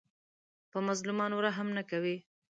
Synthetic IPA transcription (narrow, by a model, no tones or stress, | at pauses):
pəmazlumɑnowɾaɦamnakawi